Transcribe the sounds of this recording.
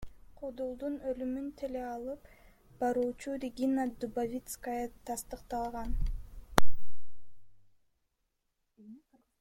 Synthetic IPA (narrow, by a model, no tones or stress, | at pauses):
qʰod̪olˠd̪unølymynt̪ʰeleɑlˠɯp | b̥ɑɾuːt͡ʃuɾʲɪɡʲinad̪ubavʲit̪skəjət̪ʰɑst̪ɯqt̪ɑlˠʁɑn